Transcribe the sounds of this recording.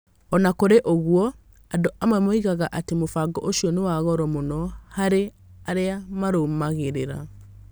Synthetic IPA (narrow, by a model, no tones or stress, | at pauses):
ɔnakoɾeʔoɣwɔ | adoʔamwɛmoiɣaɣaʔatemofaɡɔʔoʃiɔnewaɣɔɾɔmonɔhaɾe | aɾeamaɾomaɣeɾeɾa̰